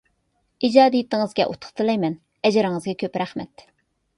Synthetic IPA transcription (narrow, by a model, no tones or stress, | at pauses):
id͡ʒɑːd̪ijit̪ɪŋɨzɡʲɛ̰ʔṵt̪ʰʊ̥χt̪ʰɨlˠɑjmɛn | ɛd͡ʒɪɾɪŋɨzɡʲɛkʲʰøpɾæχmɛt̪